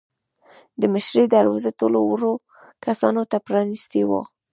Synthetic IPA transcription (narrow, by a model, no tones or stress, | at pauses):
d̪əməʃɾed̪aɾwɑzat̪olowəɾo | kasɑnot̪apɾɑnist̪ewo̰